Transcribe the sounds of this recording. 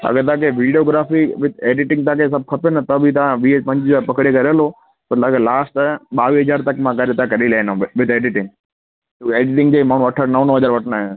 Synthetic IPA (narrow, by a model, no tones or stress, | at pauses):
ɐ̰ɡəɾt̪ɐãkʰeʋiːɖioːɡɾaːfiʋɪeːɖɪʈɪ̃ŋɡt̪ãːkʰesɐb̚ʱkʰɐpenɐt̪ɐbʱɪt̪ɐʋãʋipɐ̃ɲd͡ʑd͡ʑaːɾpɐkɽekɐɾəloː | pɐɾt̪akelaːsʈɓaːʋiːɦɐd͡ʑaːɾt̪ɐkmãkɐɾet̪ãkɐɾilanõʋɪt̪eːɖɪʈɪ̃ŋɡ | eːɖɪʈɪ̃ŋɡd͡ʑeːmaːɳ̤̃ũɐʈʰəɾnɐʋnəɦɐd͡ʑaːɾʋɐʈʰnaː